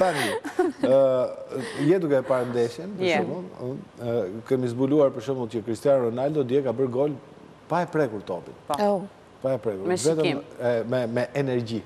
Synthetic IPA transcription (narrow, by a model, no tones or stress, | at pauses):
t̪ani | jɛd̪ukɛpaɾnd̪ɛʃɛnpəʃɔməlˠ | kɛmizbuluaɾpəɾʃɔməlˠcəkɾist̪janrɔnald̪ɔd̪jɛkabəɾɡɔl | paɛpɾɛkuɾt̪ɔpḭt̪ | paɛpɾɛkuɾvɛt̪əmɛmɛmɛʔɛnɛɾɟi